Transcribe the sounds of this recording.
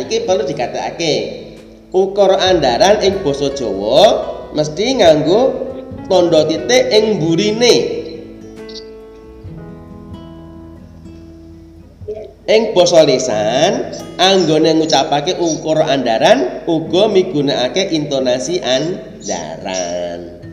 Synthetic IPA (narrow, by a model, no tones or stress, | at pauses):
ikib̥a̤lud̪̥i̤kat̪ea̰ke | ukɔɾɔʔandaɾanɪŋb̥ɔ̤sɔd̥ʒ̥ɔ̤wɔməst̪iŋaŋɡot̪ɔnɖɔt̪it̪eʔɪŋmbuɾine | ʔɪŋb̥ɔ̤sɔlesanaŋɡoneŋut͡ʃapakeʔukɔɾɔʔandaɾanuɡ̥ɔ̤miɡ̥ṳnaʔakeʔint̪ɔnasiʔan | da̰ɾa̰n